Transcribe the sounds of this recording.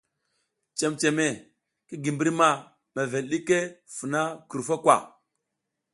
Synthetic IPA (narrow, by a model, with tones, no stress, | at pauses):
t͡ʃe˨mt͡ʃe˨me˨ | ki˦ɡi˨mbi˦ɾma˨ | me˨ve˨lɗi˦ke˦fu˨na˦ku˨ɾfa˦kwʷa̰˨